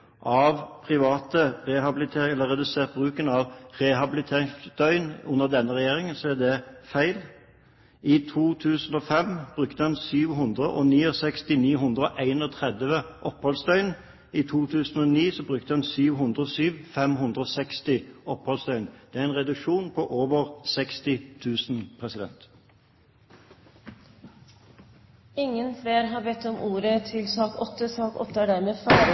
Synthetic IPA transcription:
ʔɑʋpʰɾɪʋɑːt̪əɾɛɦɑbɪlɪt̪ʰeːɪɛlːəʁɛd̪ʉseːʁt̪̚bʁʉːkənɑʋʁɛɦɑbɪlɪt̪ʰeːʁɪŋsd̪œʏnʉnːəʁd̪ɛnːəʁɛjeːʁɪŋənsɔæd̪ɛfæɪl | ɪt̪ʰuːt̪ʰʉːsənɔfɛmb̥ɾʉkt̪əɛnsyːʋɦʊnd̪ɾəʔɔniːɔsɛkst̪ɪniːɦʉnd̪ɾɔʔæɪnɔt̪ʰʁɛd̪ʋəʔɔpːhɔlsd̪œʏn | iːt̪ʰuːt̪ʰʉːsn̩oːniːsɔbʁʉk̚t̪əɑnsyːʋɦʉnd̪ʁəɔsyːʋfɛmɦʉnd̪ʁəɔsɛkst̪ɪɔphɔlst̪œʏnd̪̥ɛːæɾʁɛɪnʁɛd̪ʉʃuːnpʰɔʔoːʋəʁsɛkst̪ɪt̪ʰʉːsn̩pʰʁɛsɪd̪ɛ̰nt̪ | ɪŋːənfleːɾɦɑːɾbɛt̪ːɔmʔuːɾət̪ʰɪlsɑːkɔt̪ːəsɑːkɔ̰t̪ːəæɖæɾmeːfɑːɾə

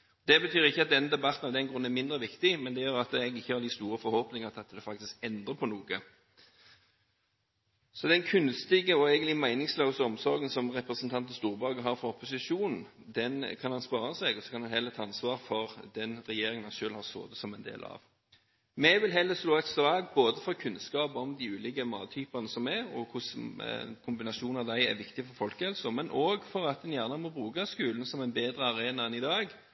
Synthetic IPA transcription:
ɔd̪ɛbət̪ʰyːɾɪçːəɑt̪̚d̪ɛnːəd̪ɛbɑt̪n̩ɑʊd̪ɛnɡɾʉn̩ːæmɪnd̪ɾəʋɪkt̪ɪmɛnd̪ɛjøːɾɑt̪ɛɡɪçːəhɑɾd̪ɪst̪uːɾəfɔɾhoːpnɪŋəʁt̪ʰɪɑt̪ːd̪ɛfɑk̚t̪ɪskɛnd̪ʁəpʰɔnuːɡə | sɔd̪ɛnkʰʉnst̪ɪɡəɔɛɪɡənlɪmæɪnɪŋsløʊsəɔmsɔɾɡənsɔmʁɛpɾəsənt̪ʰɑnt̪n̩st̪uːʁɾbɑɡəɦɑːɾfɾɔɔpʰʊsɪʃuːnn̩ | d̪ɛnkʰɑnhɑnspɑːɾəsɛɡɔsɔ̥kʰɑnhɑnhɛlət̪ʰɑːɑnsʋɑːɾfɔʁd̪ɛnɾɛjeːɾɪŋənɑʃøːlhɑːso̰ːd̪əsɔmɛɪnd̪ḛːlɑ̰ʋ | mɛʋɪlɦɛlːəsloːɛt̪sʋɑːɡboːd̪əfɔʁkʰʉnskɑːpɔmd̪iʉːlɪɡəmɑ̰ːt̪ʰyːpɑnəsɔmɛɾɔ̰kʰʊskʰʊmbɪnɑʂuːnɑʋd̪æɪæ̰ʋɪkt̪ɪfɔɾfɔlkəhɛlsɔmɛnʔoːɡfɔɾɑt̪̚ɛnjæːʁnɑmɔbɾʉːɡɑskʉːlnsɔmæɪnbeːd̪ɾəɑɾeːnɑɛnɪd̪ɑːɡ

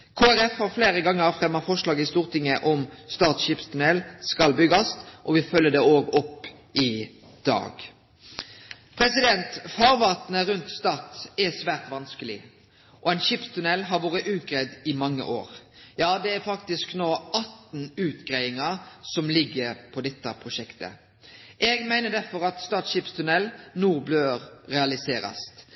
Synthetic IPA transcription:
kʰoːæɾɛfhɑɾfleːɾəɡɑŋːəɾfɾɛmːɑfɔʂlɑːɡəɪst̪uːʁt̪ʰɪŋːəʔɔmst̪ɑːt̪sɕɪpst̪ʉnɛlskɑlbʏɡɑst̪ʔɔʋɪfœlːəd̪ɛoːɡɔpː | ʔɪ | d̪̥ɑ̰ːɡ | pʰɾɛsɪd̪ɛnt̪fɑːʁʋɑːt̪nəɾʉnt̪st̪ɑːt̪ɛsʋæːʁt̪ʋɑnskəlɪ | ʔɔɛɪnʃɪpst̪ʰʉnɛlːɦɑɾʋoːɾəʔʉːt̪̚ɡɾɛd̪ɪmɑŋːə̰ʔoːɾjɑːd̪ɛæɾfɑkt̪ɪsknoːɑt̪n̩ʉːt̪ɡɾæɪɪŋɑsɔmlɪɡːəɾpʰɔd̪ɛt̪ːɑpʰɾʊʃɛkt̪ə̰ | ʔɛɡmæɪnəd̪æɾfɔɾɑt̪st̪ɑːt̪sɕɪpst̪ʰʉnɛlnuːʁbløːɾɾɛɑlɪseːɾɑ̰st̪

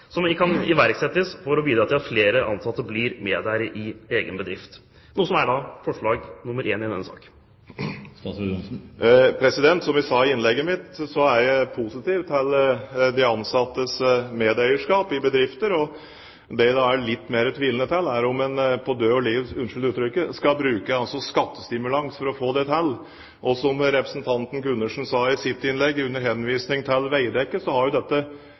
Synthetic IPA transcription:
sɔmɪkʰɑnɪʋæɾksɛt̪ːəsfɔɾɔbiːd̪ɾɑt̪ʰɪlɑt̪fleːɾəʔɑnsɑt̪ːəbliːɾmeːd̪æɪɾʔɪeːɡənbəd̪ɾɪft̪ | nuːəsɔmæɖɑːfɔʂɭɑːɡnʊmːəɾʔeːnɪnɛ̰nsɑ̰ːk | pʰɾɛsɪd̪ɛnt̪sɔmæsɑːɪnlɛɡːəmɪt̪sɔæɾjæɪpʰusɪt̪iːʋt̪ʰɛld̪ɪɑnsɑt̪ːəsmeːd̪œɪəʂkɑːpɪbəd̪ɾɪft̪əɾɔ | d̪ɛd̪ɑæɭɪt̪ːmeːɾət̪ʰʋiːlənət̪ʰɛlːæɾʊmɛnpʰɔd̪øːɔliːʋsʉnʂʏlʉːt̪ɾʏkːəskɑbɾʉːkəɑlsɔskɑt̪ːə̥st̪ɪmʉlɑŋsfɔɾɔfoːd̪ɛt̪ʰɛlː | ʔɔsɔmɾɛpɾəsnt̪ʰɑnt̪n̩ɡʉnːəʂn̩sɑːɪsɪt̪ːɪnlɛɡːʉnːəɾɦɛnːʋiːsnɪŋt̪ʰɪlʋæɪd̪ɛkːəsɔhɑɾjʊd̪ɛt̪ːə

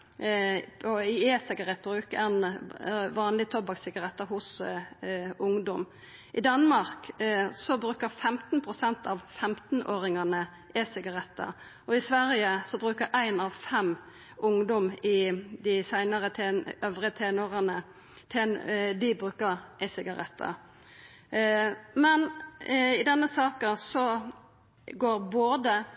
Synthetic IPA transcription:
ɔɪeːsɪɡɑʁɛt̪̚ːbɾʉːkɛn | ʋɑːnlɪt̪ʰɔbɑksɪɡɑʁɛt̪ːəhʊs | ʊŋd̪ɔm | ʔɪd̪ɑnmɑʁksɔbɾʉːkəʁfɛmt̪npʰʁʊsɛnt̪ɑʋfɛmt̪n̩ʔoːɾɪŋɑnə | ʔɛsɪɡɑʁɛt̪ːə̰ | ɔɪsʋæɾjəsɔbʁʉːkəɾæɪnɑʋfɛm | ʔʊŋd̪ɔmɪd̪ɪsæɪnɑʁət̪ʰeøːʋʁət̪ʰeːnʊʁɑnə | t̪ʰeːnd̪ɪbɾʉːkəɾʔɛsɪɡɑɾɛt̪ʰːɑ̰ | mɛn | ɪd̪ɛnːəsɑːkəsɔ | ɡoːʁboːd̪ə

